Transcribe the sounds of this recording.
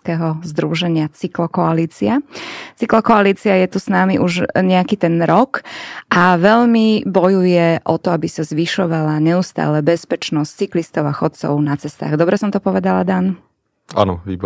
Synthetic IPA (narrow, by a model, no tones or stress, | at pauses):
kɛɦɔzd̪ɾuʒɛɲɪat͡siklɔkɔaliːt͡siat͡siklɔkɔaliːt͡siajɛt̪usnaːmiʔuʒɲɛakiːt̪ɛnɾɔkʔaʋɛʎmibɔjujɛʔɔt̪ɔabisazʋiʃɔʋalaɲɛust̪a̰ːlɛbɛspɛt͡ʃnɔst͡siklist̪ɔʊaxɔt̪t͡sɔ̰ʊnat͡sɛst̪a̰ːɣd̪ɔbɾɛsɔmt̪ɔpɔʋɛd̪alad̪an | a̰nɔʋḭːbɔ